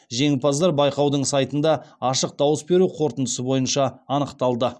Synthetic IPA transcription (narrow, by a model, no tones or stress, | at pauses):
ʒe̞ŋpɑzd̪ɑɾbɑjqɑwd̪əɴsɑjt̪ənd̪ɑɑʃəq̚d̪ɑwəsbe̞ɾuqʰo̞ɾt̪ənd̪əsəbo̞jənʃɑːnəqt̪ɑlˠd̪ə